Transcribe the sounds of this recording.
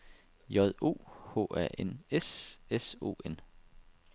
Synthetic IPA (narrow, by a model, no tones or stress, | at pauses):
jɒð̞ˠo̝̰ːho̝̰ːæɐ̰ʔeneseso̝̰ːen